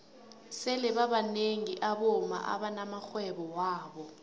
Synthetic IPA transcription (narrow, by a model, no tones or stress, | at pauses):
sɛlɛɓaɓaneŋiʔaɓɔma̰ʔa̰ɓanamaxwɛɓɔwaːɓɔ